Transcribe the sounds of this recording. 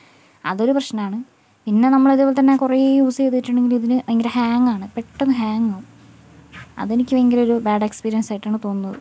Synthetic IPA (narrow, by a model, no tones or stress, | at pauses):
ɐ̰ðo̞ɾuprɐɕnɐaːɳɨ | pinːe̞nɐmːɐɭiðubolt̪ɐnːe̞kurejjuːst͡ɕet̪ːiʈːuɳɖe̞ŋɡiliðinɨeŋɡilehaːŋːaːɳɨpe̞ʈːonːɨɦaːŋːɐ | ɐ̰ðe̞nikʲːueŋɡilo̞ɾubaːɖe̞kspiːɾiɐnsaːjiʈːaːɳɨt̪o̞ːnːɐðɨ̰